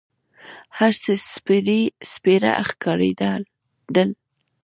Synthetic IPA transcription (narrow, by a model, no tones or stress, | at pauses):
haɾsəspeɾespeɾa̰ʔaxkɑɾḛd̪əl | d̪əl